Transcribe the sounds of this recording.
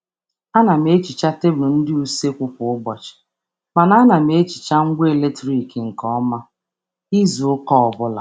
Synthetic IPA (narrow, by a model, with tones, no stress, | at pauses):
a˦na˨m˦e˦t͡ʃi˨t͡ʃa˦te˦blʊ˨n̩˦dɪ˦u˦se˦kʷʊ˦kʷʊ˨ʊ˦ɡ͡bɔ˨t͡ʃɪ̥˨ | ma˨na˦na˨m˦e˦t͡ʃi̥˨t͡ʃa˦ŋ̩˦ɡʷe˦e˦˨le˦tɾi˨kŋ̩˨kɔ˦ma˦ | i˦zu˨ʊ˦kɔ˦ɔ˨bʊ˦la̰˨